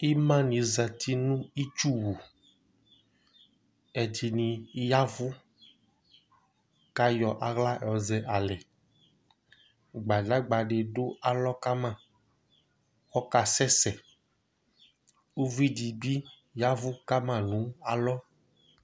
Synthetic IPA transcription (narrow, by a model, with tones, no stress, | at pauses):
i˦mã˦nĩ˨za˨t̪ʰi˦nũ˦i˦t͡ʃu˦wu˨ | ɛ˨d͡ʒi˨nĩ˨˦ja˦vu˦ | ka˦jɔ˨ʔa˨ɣla˦ʔɛ˨ɔ˨zɛ˨ʔa˨lɛ˨ | ɡ͡ba˨da˦ɡ͡ba˨ɖe˨ɖo˦a˨lɔ˦ka˦mã˦˨ | wɔ˦ka˨sɛ˦sɛ˨ | u˦vi˦di˨ɡ͡bi˦ | ja˦vu˦ka˦mã˦˨nũ˨˦a˨lɔ˦